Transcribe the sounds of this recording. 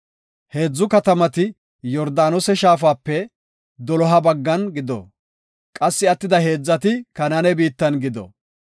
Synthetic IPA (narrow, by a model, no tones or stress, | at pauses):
he̞ːd͡zːʊkɐt̪ɐmɐt̪ɪ | jɔɾd̪aːnɔsɛʃaːfaːpːɛ | d̪ɔlɔɦɐbɐɡːɐnɡɪd̪ɔ̰ | kʼɐsːɪɐt̪ːɪd̪ɐɦe̞ːd͡zːɐt̪ɪkɐnɐnɛbiːt̪ːɐnɡɪd̪ɔ̰